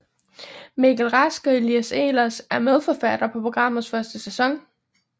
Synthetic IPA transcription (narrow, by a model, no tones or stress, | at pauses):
mikʰælʁɑsɡ̥əiliæse̝̰ːlɐsæɐmeð̞ˠfɒfæd̥ɐpʰɒ̽pʰo̝ɡ̥ʁɑ̈m̰ð̩ˠsfɶɐsd̥əsesɒ̽ŋ